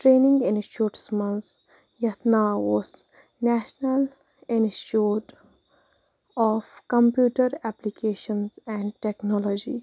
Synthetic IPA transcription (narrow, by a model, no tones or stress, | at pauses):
ʈɾeːnɪ̃ŋɡɪ̃nʃoːʈsmə̃ns | jɐt̪naʋɔs | næʃnəl | ɪ̃nuːʈ | ɔːfkə̃mpjuːʈəɾæplikʰeːʃə̃nzɛ̃ɳɖʈeknɔlɔd͡ʒi